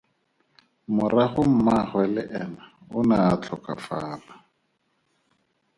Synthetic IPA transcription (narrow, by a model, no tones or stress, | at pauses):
mʊraχʊm̩maχwɛlɪʔɛnaʊnaːt͡ɬʰɔka̰faːla